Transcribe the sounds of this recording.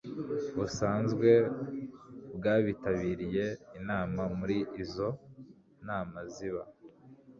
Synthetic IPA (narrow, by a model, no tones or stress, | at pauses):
βusaːnzɡwe̞ | bɡaːβitaβiːɾije̞inaːmamuɾiːzo̞ | naːmaziβa